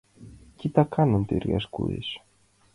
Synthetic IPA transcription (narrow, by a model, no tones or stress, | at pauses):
cit̪ɐkɐnont̪iɾɣɐ̰skṵðḭs